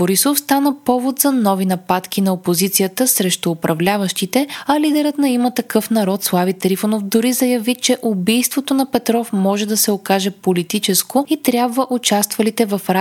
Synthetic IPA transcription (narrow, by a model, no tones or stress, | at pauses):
boɾisofst̪anəpɔvot̪zɐnɔvinɐpat̪k̟inɐopozit̪sijət̪əsɾɛʃt̪ʊːpɾʔɐvlʲavəʃt̪it̪ɛɐlid̪ɛɾət̪nɐimət̪ɐkɤfnɐɾɔt̪slˠavit̪ɾifonofd̪ʊɾizɐjɐvit͡ʃɛʔʊbijst̪vot̪onɐpɛt̪ɾɔfmɔʒɛd̪ɐsɛokaʒɛpolit̪it͡ʃɛskoit̪ɾʲjabvəʔʊt͡ʃast̪vɐlit̪ɛvɐfɾa